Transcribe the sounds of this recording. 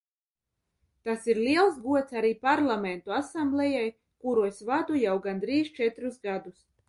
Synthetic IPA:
t̪asiɾlʲiɛlˠsɡuɔt̪saɾiːpaɾlˠament̪uasamblʲɛjaj | kuɾuesʲvad̪ujawɡand̪ɾiːzt͡ʃɛt̪ɾusɡad̪us

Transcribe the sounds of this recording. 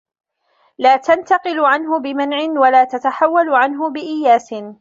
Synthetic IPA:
laːt̪ant̪ɑqɨlʊʕanɦʊbɪmanʕɪnwalaːt̪at̪aħawːalʊʕanɦʊbɪʔɪjaːsɪ

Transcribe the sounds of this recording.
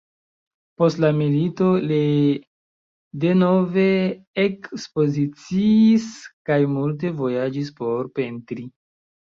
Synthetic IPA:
po̞stlamilito̞li | de̞no̞ve̞ekspo̞zit͡siːskajmult̬e̞vo̞jad͡ʒispo̞ɾpe̞ntɾi

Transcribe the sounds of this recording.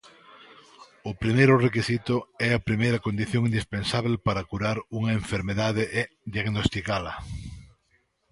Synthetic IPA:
ʊpɾimejɾʊrekisit̪ʊɛɐpɾimejɾɐkond̪iθjoŋind̪ispensaβelpaɾɐkuɾaɾuŋɐeɱfeɾmeðaðɪʔ | d̪jaɣnost̪ikalɐ

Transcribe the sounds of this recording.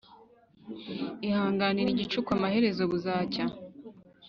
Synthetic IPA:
ihaːŋɡaniɾiɟit͡ʃukwamahe̞ɾe̞zo̞βuzaːca

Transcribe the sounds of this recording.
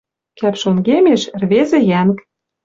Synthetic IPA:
kæpʃoŋɡemeʃrβezĕjænk

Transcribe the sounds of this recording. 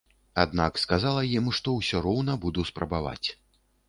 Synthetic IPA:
ad̪nakskazalˠɐjimʂt̪ɔwsʲɔɾɔwnɐbud̪uspɾɐbava̰t͡sʲ

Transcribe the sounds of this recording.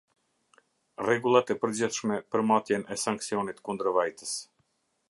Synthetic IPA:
rɛɡulˠat̪ɛpəɾd͡ʑiθʃmɛpəɾmat̪jɛnɛsaŋksiɔnit̪kund̪əɾvajt̪əs

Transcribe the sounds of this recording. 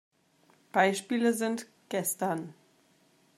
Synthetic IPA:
b̥aɪʃpiːləzɪnt | ɡ̥ɛstɐn

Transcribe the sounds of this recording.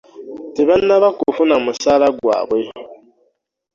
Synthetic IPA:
tiβanːaβakufunamusalaɡwa̰bwe

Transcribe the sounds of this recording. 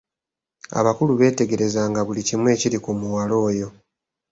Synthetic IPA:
a̰βakuluβe̞ːte̞ɡe̞ɾe̞zaːŋɡaβulicimwe̞ːciɾikumuwalo̞ːjo̞

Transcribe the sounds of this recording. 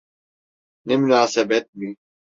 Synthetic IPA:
nemunaːsɛbɛt̪̚mi

